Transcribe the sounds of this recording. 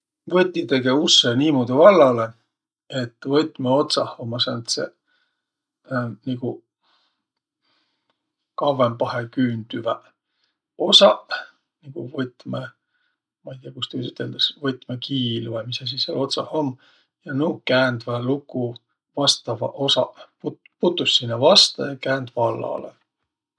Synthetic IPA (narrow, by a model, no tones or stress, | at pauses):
vɤt̪ʲːit̪eɡeusːeniːmoːd̪ivɑlːɑle | et̪ːˑvɤt̪ʲːˑmeot̪sɑhomːɑsɑnt̪sḛ | niɡ̥u | kɑvːempɑɦekyːnd̪̥yvæ | o̞sɑ | niɡ̥uvɤt̪me | mɑijt̪iɑkust̪yysyt̪ːeld̪̥ɑsvɤt̪ˑmekiːlvɑjmisːɑs̬iselo̞t̪sɑhomː | jɑnuːkæːnd̪vælukːˑu | vɑst̪ɑvɑʔosɑput | put̪ːˑusːinːɑvɑst̪ɑ̰jɑkæːnd̪vɑlːɑ̰lḛ